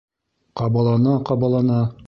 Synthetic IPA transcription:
qɑbɑlˠɑnɑqɑbɑlˠɑnɑ

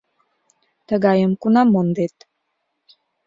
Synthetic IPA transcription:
t̪əɡɑjəmkunɑmond̪et̪

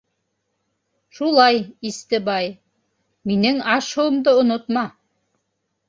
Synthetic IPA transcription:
ʃulˠɑjist̪ɘbɑj | minɘŋɑʃŏwɤ̆md̪ɤŏnot̪mɑ

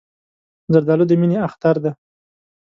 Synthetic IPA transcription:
zaɾd̪ɑlod̪əmineaxt̪aɾd̪a

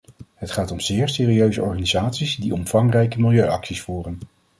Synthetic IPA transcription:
ɦətχaːtɔmz̥ɪːɹsɪːriøɥzəɔɹχaːnizaːtsizdiɔmfɑŋrɛjkəmɪlˠjøɥɑksisfuːrən

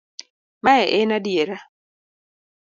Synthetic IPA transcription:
maɛʔɛnadjeɾa

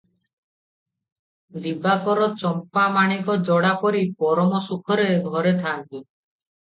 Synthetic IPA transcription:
d̪ibakɔɾɔt͡ʃɔmpamaɽ̃ikɔd͡ʒɔɽapɔɾipɔɾɔmɔsukʰɔɾeɡʱɔɾet̪ʰant̪i

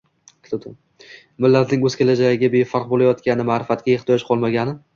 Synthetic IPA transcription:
t̪ʰɪt̪ʰʊ | mɪlːat̪ʰnɪŋɵz̥kʲe̞lad͡ʒaɡɪɡʲabe̞faqbolajɒt̪kʲanɪmaːɾɪfat̪ɡʲajeχt̪ʰɪjɒʃqʰɒlˠmaɡʲanɪ

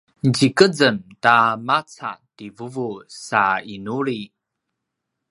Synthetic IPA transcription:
nd͡ʑikəd͡zəntamat͡sa̰tivuvusainuɾi

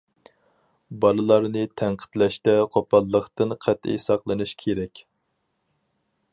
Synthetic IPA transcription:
bɑlˠɨlˠɑɾnɨt̪ʰæɴqʰə̥t̪lɛʃt̪ɛqʰopɑlˠːəqt̪ɨnqʰæt̪ḛjsɑqlˠɨnɨʃkʲʰeɾɛkʲ

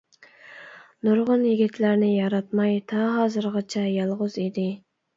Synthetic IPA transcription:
nuɾʁʊnjiɡʲit̪ʰlæɾnɪjɑɾɑt̪mɑjt̪ʰɑɦɑːzɨɾʁɑt͡ʃʰɛjɑlˠʁʊzid̪ɪ

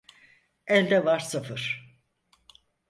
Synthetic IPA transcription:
ɛlʲd̪ɛvaɾsafɯɾ̥

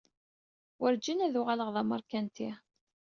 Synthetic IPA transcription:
wəɾd͡ʒinæðuʁaləʁðˤɑməɾˤkænt̪i

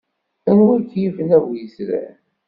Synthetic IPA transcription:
ænwiɾkjivənævjəsɾæ̰

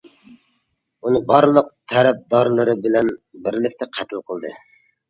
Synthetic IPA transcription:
unɨbɑɾlˠəq̚t̪ʰɛɾɛp̚d̪ɑɾlˠɨɾɨbɪlɛnbɪɾlɪkʲt̪ʰɛqʰæt̪ʰɪlˠqʰəlˠd̪ɨ̰

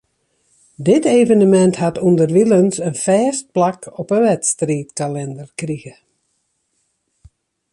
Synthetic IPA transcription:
dɪteːvənəmɛnthatʰundərʋilənsənfɛːst̚plakʰɔpəʋɛtstriːtkalɛndərkriɣə

